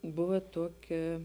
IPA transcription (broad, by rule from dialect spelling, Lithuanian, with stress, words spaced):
ˈbʊʋɐ ˈtuɔˌkʲɛ